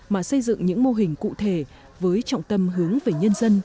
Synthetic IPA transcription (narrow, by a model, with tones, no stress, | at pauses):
maː˨˩sə˧jzɨ̰˧˨ŋɲɨ̰˧˥ŋmo˧ɦï˨˩ŋ̟kṵ˧˨t̪ʰe˧˩ | vəː˨˦jt͡ɕɔ̰˧˨wŋ͡mt̪ə˧mɦɨ˨˦əŋve˨˩ɲə˧nzə˧n